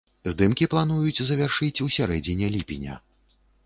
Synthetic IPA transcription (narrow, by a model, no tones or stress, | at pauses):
zd̪ɨmkʲiplˠan̪ujut͡sʲzɐvʲarʂɨt͡sʲusʲaɾɛd͡zʲinʲɛlʲipʲinʲɐ̰